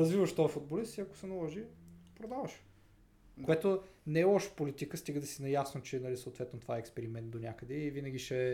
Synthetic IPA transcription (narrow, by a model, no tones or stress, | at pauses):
ɾɐzvivəʃt̪ɔfud̪̚bolist̪iɐko̥sɛnɐlˠɔʒipɾod̪avɐʃ | koɛt̪onɛɛlˠɔʃpolit̪ikəst̪iɡəd̪əsinɐjasnot͡ʃɛnɐlisɐot̪vɛt̪not̪o̥vaɛɛkspɛɾimɛnt̪̚d̪onʲakəd̪ɛivinəɡʲiʃɛ